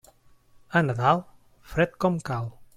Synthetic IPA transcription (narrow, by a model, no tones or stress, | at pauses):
ənaðalˠ | fɾɛt̪kɔmkal